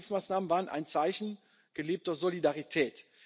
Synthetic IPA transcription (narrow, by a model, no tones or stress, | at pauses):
lfsmaːsnaːmənvaːʁənʔa̰ɪnt͡saɪçn̩ | ɡ̥əleːp̚tɐzolidaʁitʰɛːt